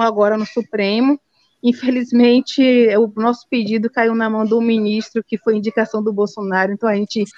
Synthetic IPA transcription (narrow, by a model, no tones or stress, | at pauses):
aɡɔɾɐnʊsupɾẽmʊ | ĩfelizmẽt͡ʃɪʊnɔsʊ̥ped͡ʒid̪ʊkaiwnɐmɐ̃w̃d̪ʊmĩnist̪ɾʊkɪfojĩd͡ʒikasɐ̃w̃d̪ʊbowsonaɾʊẽnt̪ɐ̃w̃aʒẽt͡ʃɪ